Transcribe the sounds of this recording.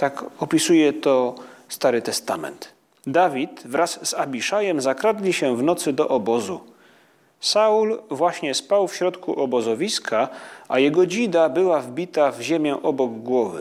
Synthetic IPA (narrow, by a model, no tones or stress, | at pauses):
t̪akɔpʲisujɛt̪ɔst̪aɾɘt̪ɛst̪amɛ̰nt̪ | d̪avʲit̪vɾasːabʲiʂajɛmzakɾad̪lʲiɕɛvnɔt̪sɘd̪ɔʔɔbɔzu | saulvwaɕɲɛspawfɕɾɔt̪kʰuʔɔbɔzɔvʲiskʰaʔajɛɡɔd͡ʑid̪abɘwavbʲit̪avʑemʲjɛ̃ʔɔbɔɡɡwɔvɘ̰